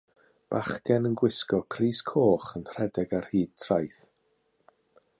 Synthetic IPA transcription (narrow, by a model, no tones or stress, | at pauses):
b̥aχɡ̥ɛnənɡwɪskɔkʰriːskʰoːχənr̥ɛdɛɡarhiːd̥̚tʰrajθ